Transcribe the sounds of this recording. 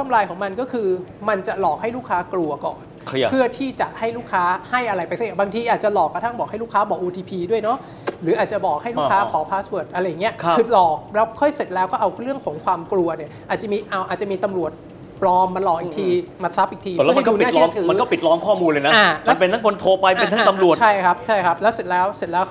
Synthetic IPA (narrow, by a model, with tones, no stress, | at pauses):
t̪ʰa˥˩mlaː˧jkʰɔː˨˩˦ŋma˧nkɔː˥˩kʰɯː˧ma˧nt͡ɕa˨˩lɔː˨˩k̚ha˥˩jluː˥˩kʰaː˦˥klu˧ɐkɔ̰ː˨˩nʰ | pʰɯ˥˩ɐət̪ʰiː˥˩t͡ɕa˨˩ʔha˥˩jluː˥˩kʰaː˦˥ha˥˩jʔa˧ɾa˧jpa˧jse˥˩˨baː˧ŋt̪ʰiː˧ʔaː˨˩t̪̚t͡ɕa˨˩lɔː˨˩kːa˧t̪ʰa˥˩ŋbɔː˨˩k̚a˥˩jluː˥˩kʰaː˦˥bɔː˨˩kʔːt̪ʰiː˧pʰiː˧du˥˩əjnɔ˦˥ | ɾɯː˩˦ʔaː˨˩t̪̚t͡ɕa˨˩bɔː˨˩k̚ha˥˩jluː˥˧˩kʰaː˧˦˥kʰɔː˩˦pʰaː˦˥sbɤː˨˩ət̪̚ʔa˧ɾa˧jːa˨˩ŋːi˦˥ɐkʰɯ˨˧˩t̪̚lɔː˨˩k̚lɛː˦˥wkʰɔ˥˩jse˨˩t̪̚lɛː˦˥wkɔː˥˩ʔa˧wɾɯ˥˩əŋkʰɔː˨˩˦ŋkʰwaː˧mklu˧ɐni˥˩ɐʔaː˨˩t̪̚t͡ɕa˨˩miː˧ʔa˧wʔaː˨˩t͡ɕa˨˩miː˧t̪a˧mɾu˨˩ət̪̚ | plɔː˧mːa˧nlɔː˨˩kʔi˨t̪ʰiː˧ma˧nsa˦˥p̚ʔiː˨˩k̚t̪ʰiː˧m˩lɛ˦˥˨m˥˧˥nkɔuː˧n˨aː˥˩lɔ˥˦˥t̪ʰɯː˩˦m˧˦kɔː˥˩pi˨˩t̪̚lɔː˦˥ŋkʰɔː˥˩muː˧nlɤ˧jna˦aː˥˨˩lɛa˦˥˧pe˧nt̪ʰa˦˥ŋkʰo˧nt̪ʰoː˧pa˧je˧˩a˥aː˧˥t̪mɾu˨˩ətt͡ɕʰa˥˩jkʰa˦˥p̚t͡ɕʰa˥˩jkʰa˦˥p̚lɛː˦˥wse˨˩t̪̚lɛː˦˥wse˨˩t̪̚lɛː˦˥w